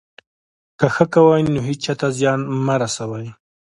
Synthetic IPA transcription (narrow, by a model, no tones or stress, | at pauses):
kaxəkawajnoɦit͡ʃɑt̪azjɑnmaɾasawaj